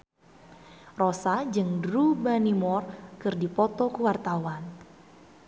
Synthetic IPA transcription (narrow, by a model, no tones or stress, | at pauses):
rɔsad͡ʒɨŋdɾubanimɔrkɨrdipɔt̪ɔkuwart̪awan